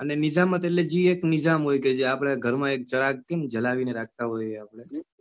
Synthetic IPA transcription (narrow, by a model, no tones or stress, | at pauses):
ənenid͡ʒamːãt̪eled͡ʒieknɪd͡ʒamɦojked͡ʒiapɽ̃aɡʱəɾmãek̚t͡ʃəɾak̚kemd͡ʒəlaʋineɾak̚ʰt̪aɦojapɽ̃e